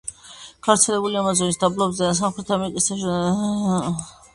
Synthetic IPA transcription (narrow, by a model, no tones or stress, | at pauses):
ɡ̥avɾt̪sʰɛlɛbuliamazɔnisd̪ablˠɔbzɛs̬amχɾɛt̪ʰamɛɾikʼis